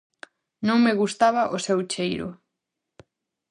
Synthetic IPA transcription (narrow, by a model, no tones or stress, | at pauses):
nõŋmeɣust̪aβaʔosewt͡ʃejɾʊ̰